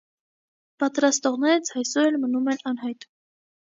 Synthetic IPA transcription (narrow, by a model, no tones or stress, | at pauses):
pɑt̪ɾɑst̪ɔʁnɛɾət͡sʰɑjsɔɾɛlmənumɛnɑnɦɑjt̪